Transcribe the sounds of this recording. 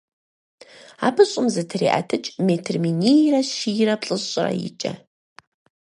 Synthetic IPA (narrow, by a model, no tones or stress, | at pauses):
a̰ːbɨɕʼʊmzɨtʰɨrḭːʔɐ̰tʰɨt͡ʃʼmeːtʰɨrminijrɐʃirɐpɬʼɨɕʼrɐ̰jɪ̰t͡ʃʼɐ̰